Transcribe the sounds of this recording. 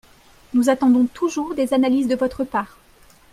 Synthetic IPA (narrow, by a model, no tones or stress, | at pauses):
nuzat̪ɑ̃d̪ɔ̃t̪ʰuʒuʁd̪ezanalizd̪əvɔt̪χəpaːʁ